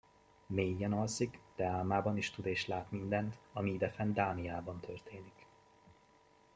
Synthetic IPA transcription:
meːjːɛnɒlsikd̪̥ɛaːlmaːbɒniʃt̪ud̪eːʃlaːt̪mind̪ɛnt̪ɒmiid̪ɛfɛnd̪aːmiaːbɒnt̪ʰørt̪eːnik

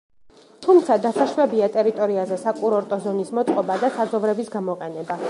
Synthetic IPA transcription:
t̪ʰumt̪sʰad̪asaʃvɛbiat̪ʼɛɾit̪ʼɔɾiazɛsakʼuɾɔɾt̪ʼɔzɔnismɔt̪ʼqʼɔbad̪asad̪zɔvɾɛbisɡamɔqʼɛnɛba

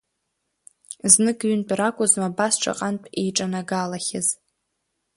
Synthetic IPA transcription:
znɨkʼɥʏnpʼrakʷʼʊzmabasʈ͡ʂʷʰa̰qʼanpʼejʈ͡ʂʼanaɡalaχʲɪz

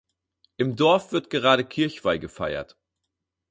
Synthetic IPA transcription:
ʔɪmdɔɐfv̥ɪɐtɡ̥əʁaːɾəkʰɪɐçv̥aɪɡəfa̰ɪɐ̰t

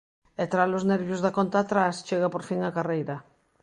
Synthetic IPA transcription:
et̪ɾalozneɾβjʊzðakont̪aːt̪ɾast͡ʃeɣapoɾfiŋakarejɾɐ

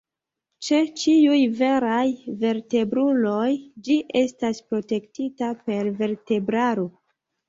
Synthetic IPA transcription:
t͡ʃe̞t͡ʃiujve̞ɾajve̞ɾte̞bɾulo̞jd͡ʒiʔe̞staspɾo̞te̞ktitape̞ɾve̞ɾte̞bɾaɾo

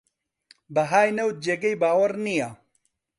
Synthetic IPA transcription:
bɐɦaːjnɐw̪̚d͡ʒeːɡɐjbaːwɐɾnijaː

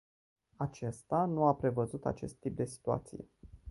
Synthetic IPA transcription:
at͡ʃe̞st̪anuapɾe̞vəzut̪a̰t͡ʃe̞̰st̪ːip̚d̪e̞si̥t̪ua̰t̪sijḛ

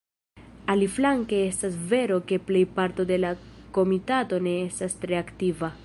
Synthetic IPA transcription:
aliflaŋke̞e̞stasve̞ɾo̞ke̞ple̞jpaɾto̞de̞lako̞mitato̞ne̞estastɾe̞aktiva

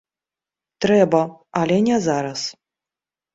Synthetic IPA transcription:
t̪ɾɛbɐalʲɛnʲɛzaɾɐs

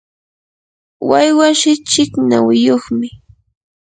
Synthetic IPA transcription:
wajwaʃɪt͡ʃɪknawɪjoχmɪ

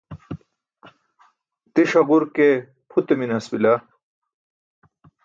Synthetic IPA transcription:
t̪iʂɐɡuɾke | pʰut̪eminɐsbila

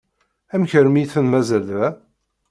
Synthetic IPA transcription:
æmçəɾmiθənmæzælæ

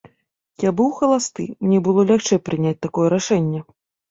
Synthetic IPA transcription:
jabɨwxɐlˠast̪ɨ̰mnʲɛbɨlˠɔlʲaxt͡ʂɛjpɾɨnʲat͡s̚ʲt̪akɔjɛɾaʂɛnʲːɛ

